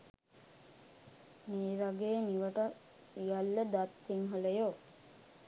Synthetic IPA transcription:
meːɾaɡejəniʋəʈa | sijalːəd̪at̪siŋɦələjo

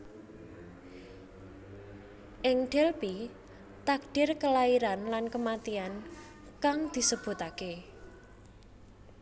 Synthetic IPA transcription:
ʔɪŋɖ̥ɛlpi | t̪ak̚ɖ̥ɪrkəlaiɾanlankəmat̪ian | kaŋd̪̥i̤səb̥ṳt̪ake

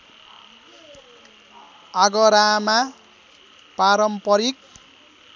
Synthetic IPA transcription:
aɡʌɾama | paɾʌmpʌɾik̚

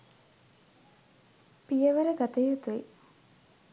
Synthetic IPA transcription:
pijəʋəɾəɡat̪əjut̪uḭ

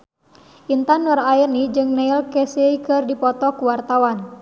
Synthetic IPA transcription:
ʔint̪anɔɾairnid͡ʒɨŋnailkɛseikɨrdipɔt̪ɔkuwart̪awan

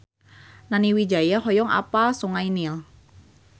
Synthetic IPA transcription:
naniwid͡ʒajaɦɔjɔŋʔa̰pasuŋainil

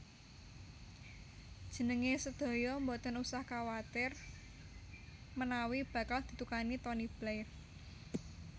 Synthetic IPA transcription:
d̥ʒ̥ə̤nəŋesəd̪̥ɔ̤jɔmbɔt̪ənusahkawat̪ɪr | mənawib̥ä̤kald̪̥i̤t̪ukanit̪ɔnib̥lajr

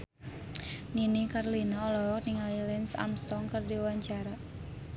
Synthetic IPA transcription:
ninikarlinaɔlɔɦɔk̚niŋalilɛnsa̰mst̪ɔŋkərdiwaɲt͡ʃaɾa

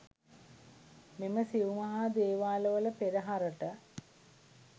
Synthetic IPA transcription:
miməsiʋumɐɦaːd̪eːʋaːləʋələpeɾəɦaɾəʈə

